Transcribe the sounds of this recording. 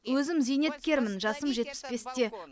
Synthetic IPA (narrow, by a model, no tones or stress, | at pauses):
wɵzɪmzijne̞t̪̚kʲe̞ɾmɪnʒɑsəmʒe̞t̪̚pɪ̥sbe̞st̪e̞